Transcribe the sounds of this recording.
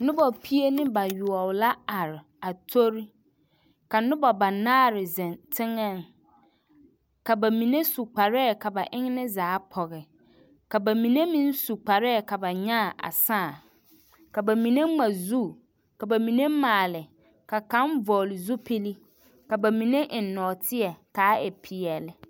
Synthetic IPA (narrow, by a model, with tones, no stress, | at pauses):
nʊ̃˦bɔ˨pʰi˦e˦nɪ̃˦ba˨jʊ˨ɔ˨wla˦a˨ɾɪ˨ | a˨tʰo˦ɾi˦ | ka˨nʊ̃˦bɔ˨ba˨naː˦ɾɪ˨zɛ̃˨ntʰɪ˦ŋɛ̃˦˨n˨ | ka˨ba˨mĩ˨ne˦su˨k͡pa˨ɾɛː˦˨ka˨ba˨ʔɪ̃˦ŋ˦nɪ̃˦zaː˨˦pʰɔ˨ɣɛ˨ | ka˨ba˨mi˨ne˦mĩ˦n˦su˨k͡pa˨ɾɛː˦˨ka˨ba˨ɲa˦˨ʔa̰˨saː˦˨ | ka˨ba˨mĩ˨ne˦ŋ͡ma˨zu˦˨ | ka˨ba˨mĩ˨ne˦maː˨lɪ˨ | ka˨kã˦m˦vɔː˨lɪ˨zu˦pʰi˦li˦ | ka˨ba˨mĩ˨ne˦ʔɪ˨nː˦ɔː˨tʰɪ˦ɛ˨kaː˨˦ɛ̰˨pʰɪ˨ɛ˨lɪ˨